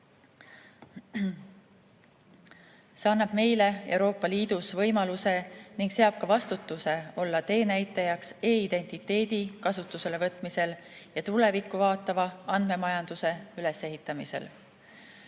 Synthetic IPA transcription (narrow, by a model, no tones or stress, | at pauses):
se̞ɑnːɑb̥me̞jle̞e̞wɾo̞ːpˑːɑliːd̪̥usvɤjmɑluse̞niŋɡ̥se̞ɑb̥̚kɑvɑst̪ut̪ːˑuse̞o̞lːɑt̪e̞ːnæjt̪ːˑejɑkse̞ːid̪̥e̞nʲt̪it̪ːe̞ːd̪̥ikɑsut̪ːˑuse̞le̞vɤt̪ˑmise̞l | jɑt̪ule̞vikːˑuvɑːt̪ːˑɑvɑɑnd̪̥me̞mɑjɑnd̪̥use̞yle̞se̞ɦit̪ːˑɑmise̞̰l